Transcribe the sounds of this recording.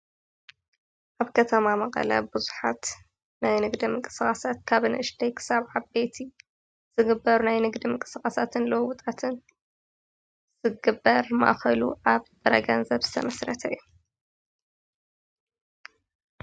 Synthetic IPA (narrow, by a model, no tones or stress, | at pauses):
ʔaβkʰɐt̪ʰɐmamɐχʼɐ̰lɐ̰bɨzuħa̰t̪ | najnɨɡd̪imɨŋkʼɨ̥sxʼasat̪̚kʰaβɨnɨʔɨʃd̪ʰɐjkʰɨ̥saβʕaβbe̞t̪ʰi | z̥ɨɡɨbːɐɾunajnɨɡd̪imɨŋkʼɨ̥sxʼasat̪ʰɨnlɐwʊt̪ʼat̪ʰɨn | z̥ɨɡɨbːɐɾma̰ʔxɐlṵaβd̪ʼɐɾɐ̰ɡanzɐβ̥ɨ̥t̪ʰɐ̰mɐsɾɐt̪ʰɐjːu